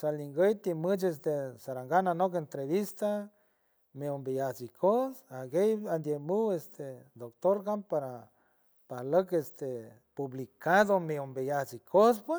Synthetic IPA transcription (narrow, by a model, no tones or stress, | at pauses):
saliŋɡəjt̪imət͡ʃes̬t̪esaɾaŋɡananok̬ent̪ɾeβist̪a | meombijasikʰosaɡejand̪jemuwest̪ed̪okt̪oɾɡampaɾa | pahləkest̪e | puβlikaðomeombejasikʰos̬pwe